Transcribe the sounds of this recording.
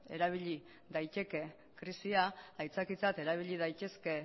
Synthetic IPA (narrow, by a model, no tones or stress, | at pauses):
e̞̰ɾaβ̞iʎi | ðajt̪e̞ke̞ | kɾisiaajt͡sakit͡sat̪e̞ɾaβ̞iʎið̞ajt̪e̞ske̞